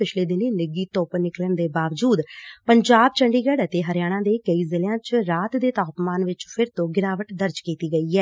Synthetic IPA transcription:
pɪt͡ʃʰleːd̪ɪneːnɪɡiːt̪oːpnɪkləɳd̪eːbaːʋd͡ʒuːd̪pəɲd͡ʒaːb̚t͡ʃəɳɖiːɡɛːɽət̪eːɦəɾɪjaːɽ̃ãːd̪eːkəiːzɪljãːt͡ʃɾaːt̪d̪eːt̪aːpmaːnʋɪt͡ʃpʰɪɾt̪õːɡɪnaːʋəʈd̪əɾd͡ʒkiːt̪iːɡəiːɦɛː

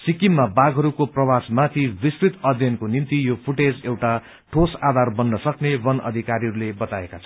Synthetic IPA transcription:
sikimːabaɡɦʌɾukoprʌwasmat̪ʰibiskrit̪ʌd̪ʱjʌnkonimt̪ijopʰuʈed͡zewʈa | ʈʰosad̪ʱarbʌnːʌsʌknebʌnʌ̰d̪ʱikaɾiɦʌɾulebʌt̪aekat͡sʰʌ

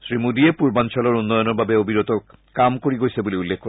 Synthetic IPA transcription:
sɹimudiepuɹbant͡ɕʰɔlɔɹunːɔjɔnɔɹbabeobʱiɾot̪o | kamkoɹiɡojsebuliulːekʰkːo

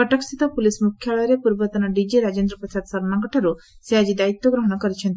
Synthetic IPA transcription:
kɔʈɔksit̪ɔpulismukʰjaɭɔjɔɾepuɾbɔt̪ɔnaɖid͡ʒiɾad͡ʒend̪ɾɔpɔisad̪sɔɾnaŋɡɔʈʰaɾusead͡ʒid̪ait̪ːɔɡɾɔɦɔɽ̃ɔkɔɾit͡ʃʰent̪

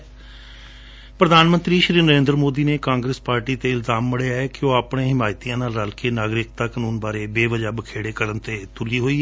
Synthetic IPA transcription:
pɾəd̪aːnmənt̪ɾiːʃɾiːɾnəɾẽːnd̪ɾmoːd̪iːneːkãːŋɡɾespaːɾʈiːt̪eːɪlzaːmːɪɽeaɛkɪoːapɳẽːɦɪmaːjt̪ijãːnaːlɾalkeːnaːɡɾɪkt̪aːkənuːnbaːɾeːbeːʋəd͡ʒaːbəkʰeːɽeːkəɾənt̪eːt̪ʊliːɦoːiːɛ

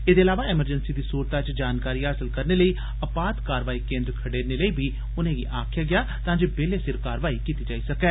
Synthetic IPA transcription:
ed̪eːlaːʋaːɪməɾd͡ʒənsiːd̪iːsuːɾt̪aːt͡ʃd͡ʒaːnkaːɾiːɦaːsəlkəɾneːləiː | əpaːd̪kaːɾʋaːiːkẽːnd̪ɾkʰəɽeːneːləiːbʱiː | ʊnẽːɡḭːʔaːkʰɪjaːɡɪjaː | t̪ãːd͡ʒeːbeːleːsɪɾkaːɾʋaːiːkiːt̪iːd͡ʒaːiːsəkɛː

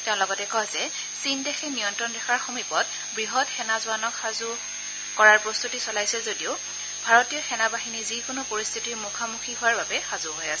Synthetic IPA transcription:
tɛʊ̃lɔɡɔtɛkɔzɛ | sindɛxʰɛnijɔntɹɔndɛxʰaɹxomipɔt | bɹiɦɔtxɛnazʊanɔkxazu | kɔɹaɹpɹɔst̪utisɔlajsɛzodioʊ | bʱaɹɔtijɔxɛnabaɦinizikʊnʊpoɹist̪ʰitimukʰamuxʰiɦʊwaɹbabɛxazuɦojasɛ

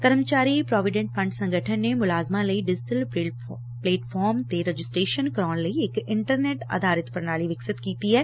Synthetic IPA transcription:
kəɾmt͡ʃaːɾipɾɔːʋɪɖɛ̃ɳʈ̚pʰə̃ɳɖsə̃ŋɡʱəʈʰənːemʊlaːzmãləiɖɪd͡ʒɪʈəl | pleːʈfʰɔːɾmt̪eɾəd͡ʒɪsʈɾeːʃənkɾɔːnləiɪkɪ̃ɳʈəɾneːʈə̰d̪ʱaːɾɪt̪pəɾnaːliʋɪksɪt̪kiːt̪iɦɛː

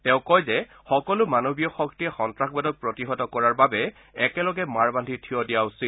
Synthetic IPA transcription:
tɛʊ̃kɔjzɛ | xɔkɔlʊmanobijɔxɔktiɛxɔntɹaxbɔdɔk̚pɹɔtiɦɔtɔkɔɹaɹbabɛ | ɛkɛlɔɡɛmaɹbandʱitʰijɔdijaʊsil

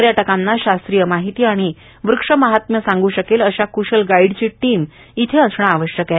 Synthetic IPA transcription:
ɾjaʈəkanːaɕast̪ɾijəmaɦit̪iːaɽ̃i | ʋɾukʂəməɦat̪məsãŋɡuːɕəkeləɕakuɕəlɡaiɽt͡ɕiːʈiːm | it̪ʰeəsɳ̃aːʋəɕjəkja

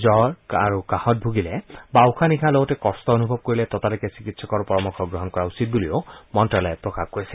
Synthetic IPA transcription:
zɔɹaɹukahɔt̚bʱuɡilɛbawʊkʰanikʰalɔɡɔtɛkɔstɔonubʱɔb̚koɹilɛt̪ɔtalikɛsikitsɔkɔɹpɔɹɔmɔkʰɔɡɹɔɦɔnkɔɹausit̚buliomɔntɹalɔpɹɔkakkoɹisɛ̥

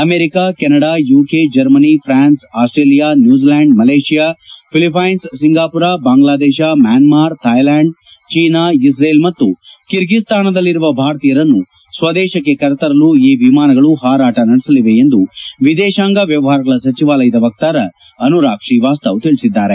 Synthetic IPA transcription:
ɐmeːɾikakɛnɐɽajuːked͡ʒɐɾmɐnipʰɾaːnsaːsʈɾeːlijaːnjuːd͡ʒilaːɳɖmɐleːʃijaːpʰilipʰɐjnssiŋɡaːpuɾaːbaːŋɡlaːd̪ɛːʃamjaːnmaːɾt̪ʰɐjlaːɳɖ | t͡ʃiːnaːisɾeːlmɐt̪ːukiɾɡist̪aːnɐd̪ɐlːiɾuʋɐbʱaːɾɐt̪ijɐɾɐnːu | sʋɐd̪ɛːʃɐk̬ːe̞kɐɾɛt̪ɐɾɐluiːʋimaːnɐɡɐɭuɦaːɾaːʈɐnɐɽisɐliʋe̞end̪uʋid̪ɛːʃaːŋɡaʋjɐʋɐɦaːɾɐɡɐɭɐsɐt͡ʃiʋaːlɐjɐd̪ɐʋɐk̚t̪aːɾɐ | ɐnuɾaːkʂiːʋaːst̪ɐʋt̪iɭisid̪ːaːɾe̞

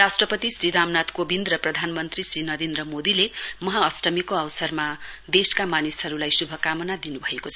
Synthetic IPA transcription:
asʈrʌpʌt̪isriɾamnat̪kobind̪rʌprʌd̪ʱanmʌnt̪risrinʌɾend̪rʌmod̪ilemʌɦaʌsʈʌmikoʌwsʌrmad̪eskamanisɦʌɾulajsubʱʌkamʌnad̪inubʱʌekot͡sʰʌ

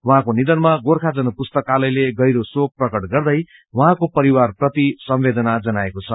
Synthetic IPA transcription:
wʌ̃ɦãkonid̪ʌnmaɡorkʰad͡zʌnʌpust̪ʌkːalʌjleɡʌjɾosok̚prʌkʌʈɡʌrd̪ʌj | wʌɦãkopʌɾiwarprʌt̪isʌmbed̪ʌnad͡zʌnaekot͡sʰʌ

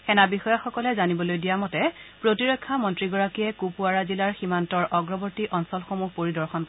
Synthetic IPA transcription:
xɛnabixɔjaxɔkɔlɛzanibɔlojdijamɔtɛpɹotiɹɔkʰːamɔntɹiɡɔɹakijɛkupuaɹazilaɹximantɔɹʔɔɡɹɔbɔɹtiʔɔnsɔlxomuxpoɹidɔɹxɔnp

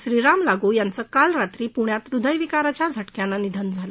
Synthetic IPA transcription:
ɕɾiɾamlaɡuːjant͡səːkalɾat̪ɾiːpuɳjat̪ɾud̪ʱəjʋikaɾat͡ɕjad͡zʱəʈkjãnːanid̪ʱənd͡zʱalə

